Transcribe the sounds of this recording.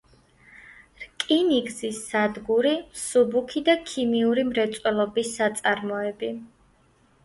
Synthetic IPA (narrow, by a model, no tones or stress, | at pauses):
ɾkʼiniɡzisːad̪ɡuɾimsubukʰid̪akʰimiuɾimɾɛt̪sʼwɛlˠɔbisat̪sʼaɾmɔɛbi